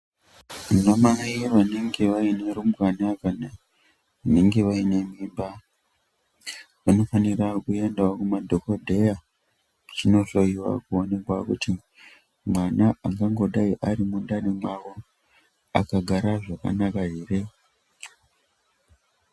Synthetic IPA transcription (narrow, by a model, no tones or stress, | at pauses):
munomaiʋaneŋɡe̞ʋaine̞ɾumukanakana | ʋaneŋɡe̞ʋaine̞mimba | ʋano̞fanirakue̞ndawokumadʱo̞kodʱe̞ja | t͡ʃino̞ɬo̞iwa̰kuo̞ne̞kwakuti | mwanaaŋɡaŋɡo̞ɗaiʔaɾimundanemwawo | a̰kaɡʱaɾaʐaka̰nakaɦeːre̞